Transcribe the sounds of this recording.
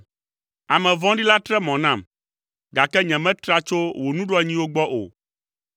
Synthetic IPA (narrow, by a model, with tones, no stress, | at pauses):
a˨mɛ̃˨vɔ̃˦ɖi˦la˦t̪ɾɛ˦mɔ̃˨nã˦˨m | ɡa˨kɛ˦ɲɛ̃˨mɛ̃˦t̪ɾa˦t͡ʃo˦wo˨nũ˦ɖo˦a˨ɲĩ˦wo˦ɡ͡bɔ˦ʔo̰˨